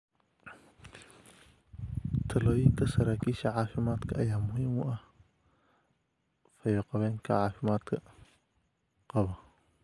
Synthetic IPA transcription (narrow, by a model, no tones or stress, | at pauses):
t̪ʰɐlɔːjɪnt̪ʰɐsɐɾaːkʰiːʃɐʕaːfɪmaːd̪kʰɐʔɐjaːmʊhiːmʊʔɐh | fɐjɔːqɑβɛːŋkʰɐ̰ʕaːfɪmaːd̪kʰɐ | qɑβɐ